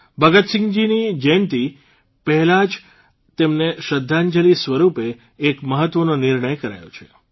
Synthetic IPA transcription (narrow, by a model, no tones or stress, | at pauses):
bʱəɡət̪sɪ̃ŋɡd͡ʒinid͡ʒənt̪i | pəɦɛlad͡ʒ | t̪emneʃəd̪ʱːaɲd͡ʒəlisʋəɾupeː | kməɦət̪ːʋənonɪɾɳəjkəɾa̰jo̰t͡ʃʰe